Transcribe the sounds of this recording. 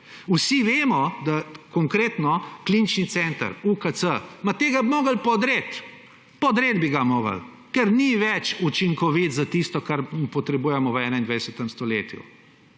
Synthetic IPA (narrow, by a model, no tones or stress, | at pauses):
usiʋeːmɔd̪akɔŋkɾeːt̪nɔklinit͡ʃnit̪sɛnt̪a̰ɾukət̪səmat̪eːɡabimoːɡəlpɔd̪ɾet̪ | pɔd̪ɾeːd̪biɡamoːɡə̰l | kɛɾniʋɛt͡ʃut͡ʃiŋkɔʋit̪zat̪ist̪ɔkaɾmpɔt̪ɾɛbuːjɛmɔʋəɛːnaind̪ʋajd̪ɛsət̪ɛmst̪ɔleːt̪jṵ